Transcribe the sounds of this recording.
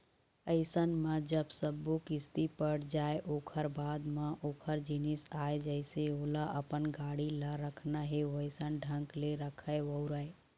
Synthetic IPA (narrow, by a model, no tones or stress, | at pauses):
əɪsənmãd͡ʒəbsəbukɪst̪ipəɽd͡ʒaːeʔoːkʰəɾbaːd̪mãʔoːkʰəɾd͡ʒinɪsaːed͡ʒəɪseoːlaʔəpənɡaːɽilaɾəkʰnaɦeʋəɪsənɖʱə̃ŋkleɾəkʰəeʋəʊɾəe